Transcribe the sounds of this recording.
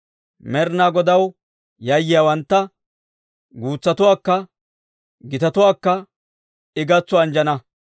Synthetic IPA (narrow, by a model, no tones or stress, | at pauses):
mɛɾnaːɡɔd̪ɐw | jɐjːɪjaːwɐnt̪ːɐ | ɡuːt͡sːɐt̪ʊwaːkːɐ | ɡɪt̪ɐt̪ʊwaːkːɐ | ɪɡɐt͡sːɔɐnd͡ʒɐnɐ